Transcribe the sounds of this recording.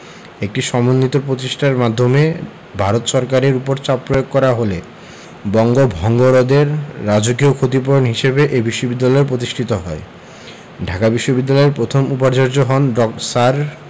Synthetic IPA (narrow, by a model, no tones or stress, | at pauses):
ek̚ʈiʃɔmonːit̪opɾot̪iʃʈaɾmad̪ʱːome | bʱaɾot̪ʃɔɾkaɾeɾupoɾt͡ɕapːɾojoɡ̚kɔɾaɦole | bɔŋɡobʱɔŋɡoɾod̪eɾːad͡ʑoɡiokʰot̪̬ip̬oɾonɦiʃebeʔebiʃːobid̪ːalɔeɾpɾot̪̬iʃʈʰit̪oɦɔe | ɖʱakabiʃːobid̪ːalɔeɾpɾot̪ʰomupaɾd͡ʑoɾd͡ʑoɦɔnɖɔksaɾ